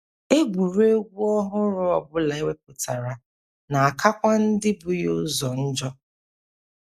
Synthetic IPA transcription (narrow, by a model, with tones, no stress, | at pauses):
e˦ɡʷu˨ɾe˦ɡʷu˦ɔ˦ɦʊ˦ɾʊ˦ɔ˨bʊ˦la˨e˦we˦p̚ʊ˨ta˨ɾa˨ | na˨a˨kʰa˦kʷa˦n̩˦dɪ˦bʊ˦jo˦zɔ˨n̩˦d͡ʒɔ˦